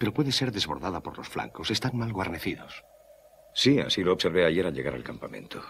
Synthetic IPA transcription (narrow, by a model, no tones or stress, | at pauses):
pe̞ɾo̞pwe̞ðese̞ɾðe̞zβo̞ɾðaðapo̞ɾlo̞sfla̰ŋko̞se̞st̪anmalɣwaɾne̞θiðos | sia̰siloːβse̞ɾβeaʝe̞ɾaʎe̞ɣaɾa̰lkampamẽ̞̰nt̪o